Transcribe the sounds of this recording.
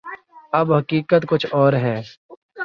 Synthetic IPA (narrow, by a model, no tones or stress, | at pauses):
ɐbɦɐkiːkət̪kʊt͡ʃʰɔːɾɦɛː